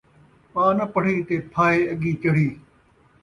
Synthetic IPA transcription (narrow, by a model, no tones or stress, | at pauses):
pãːnəpəɽ̤iːt̪eːpʰaːeːɐɠiːt͡ʃɐɽ̤iː